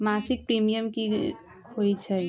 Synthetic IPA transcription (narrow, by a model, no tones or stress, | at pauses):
masik̚pɾimijəmki | ɦojt͡ʃʰə